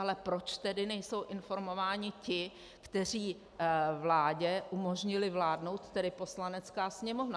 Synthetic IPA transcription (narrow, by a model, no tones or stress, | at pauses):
alɛpɾo̞t͡ʃt̪ɛdɪnɛjso̞wʔɪnfo̞ɾmo̞vaːɲɪcɪ | kt̪ɛr̝iː | vlaːɟɛʔumo̞ʒɲɪlɪvlaːdno̞wt̪ːɛdɪpo̞slanɛt͡skaːsɲɛmo̞vna